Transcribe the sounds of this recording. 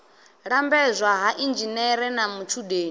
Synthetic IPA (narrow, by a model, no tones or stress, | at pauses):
ɺambɛzʷaɦaʔind͡ʒinɛɾɛnamut͡ʃʰuɗeːn